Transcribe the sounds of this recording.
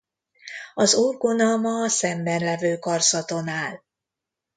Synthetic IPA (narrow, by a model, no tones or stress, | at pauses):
ɒzuːrɡonɒmɒsɛmbɛnlɛvøːkɒrsɒt̪o̞naːl